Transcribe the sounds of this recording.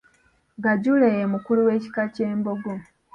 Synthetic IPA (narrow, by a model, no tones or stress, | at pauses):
ɡaɟulejemukuluwe̞ːci̥kaceːmbo̞ɡo